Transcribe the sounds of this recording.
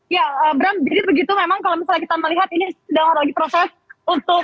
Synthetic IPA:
jaəːbɾand͡ʒadibəɡit̪umemaŋkalomisalɲakit̪aməliɦat̪inisidaŋadalaɡipɾosɛs | unt̪ʊk

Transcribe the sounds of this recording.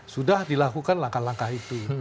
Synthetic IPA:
sudahdilakukanlaŋkahlaŋkaɦit̪u

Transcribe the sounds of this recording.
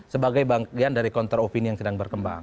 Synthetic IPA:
səbaɡajbaŋkiandaɾikɔnt̪əropinijaŋsədaŋbərkəmba̰ŋ

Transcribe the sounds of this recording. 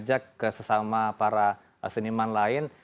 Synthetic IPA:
d͡ʒakːəsəsamapaɾa | sənimanlaɪn

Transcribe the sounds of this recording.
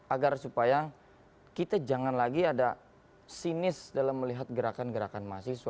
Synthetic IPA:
aɡarsupaja | kit̪ad͡ʒaŋanlaɡiada | sinɪsdalamːəliɦat̪̚ɡəɾakanɡəɾakanmasɪsu

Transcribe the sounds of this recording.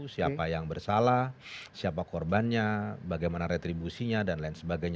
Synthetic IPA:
siapajaŋbərsalahsiapakɔrbanɲabaɡajmanaɾet̪ɾibusiɲadanlainsəbaɡajɲ

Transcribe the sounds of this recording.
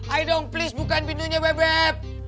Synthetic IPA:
ʔajdonplisbukanpinduɲawɛbɛp̚

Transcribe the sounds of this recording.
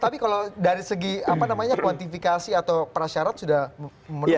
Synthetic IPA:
t̪apikaladaɾisəɡiapanamaɲakwant̪ifikasiat̪awpəɾaʃaɾat̪̚sudah | mə

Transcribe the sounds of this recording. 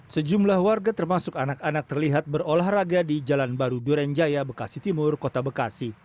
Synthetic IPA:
səd͡ʒumlahwarɡat̪ərmasʊkanakanak̚t̪ərliɦat̪̚bərolahraɡadid͡ʒalanbaɾuduɾɛnd͡ʒajabəkasit̪imʊrkot̪abəkasi

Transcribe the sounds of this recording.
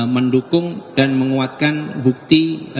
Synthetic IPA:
məndukʊŋd̥anməŋuat̪̚kanbuk̚t̪i

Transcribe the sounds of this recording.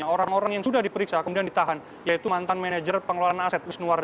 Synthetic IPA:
aoɾaŋoɾaŋjaŋsudahdipəɾiksakəmudiandit̪aɦan | jait̪umant̪anmenad͡ʒərpəŋəlalanasɛt̪̚wisnuard

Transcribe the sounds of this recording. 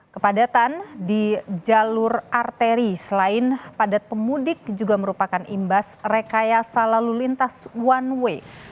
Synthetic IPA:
kəpadat̪andid͡ʒalʊrart̪eɾisəlaɪnpadat̪̚pəmudɪk̚d͡ʒuɡaməɾupakanʔḭmbasrekajasalalulint̪aswanwe

